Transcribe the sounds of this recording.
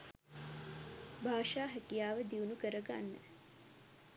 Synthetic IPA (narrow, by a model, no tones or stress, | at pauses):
bʱaːʃaːɦækijaːʋəd̪iunukəɾəɡa̰nːə̰